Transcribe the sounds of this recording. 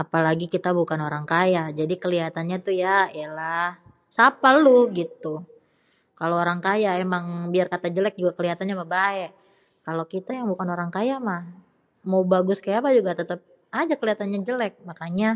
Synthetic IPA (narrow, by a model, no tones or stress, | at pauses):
apalaɡikit̪abukanoɾaŋkajad͡ʒadikəliɦat̪anɲat̪ujajalah | sapaluɡit̪u | kaloːɾaŋkajaʔemaŋbiarkat̪ad͡ʒəlɛk̚d͡ʒuɡakəliɦat̪anɲamahbaɛ | kalokit̪ajaŋbukanoɾaŋkajamah | mawbaɡʊskajapad͡ʒuɡat̪ət̪əp̚ | ad͡ʒakəliɦat̪anɲad͡ʒəlɛk̚makaɲa